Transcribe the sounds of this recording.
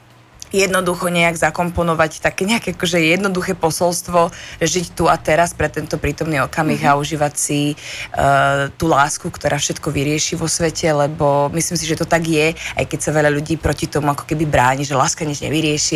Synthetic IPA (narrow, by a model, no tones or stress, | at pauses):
jɛd̪nɔd̪uxɔɲɛaɡzakɔmpɔnɔʋact̪akɛːɲɛakɛakɔʒɛjɛd̪nɔd̪uxɛːpɔsɔlst̪ʋɔʒɛʒict̪uat̪ɛɾaspɾɛt̪ɛnt̪ɔpɾiːt̪ɔmniɔkamiɣauʒiːʋacsi | t̪uːlaːskukt̪ɔɾʔaːfʃɛt̪kɔʋiɾɪɛʃiʋɔsʋɛcɛlɛbɔmislimsiʒɛt̪ɔt̪aɡjɛa̰jkɛcsaʋɛʎaʎuɟiːpɾɔcit̪ɔmuakɔ̥kɛbibɾaːɲiʒɛlaːskaɲɛzɲɛ̰ʋiɾɪɛʃi